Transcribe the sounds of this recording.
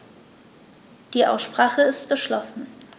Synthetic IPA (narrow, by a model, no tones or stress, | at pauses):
d̥iːʔa̰ʊsʃpʁ̥aːχəɪst̚b̥əʃlɔsn̩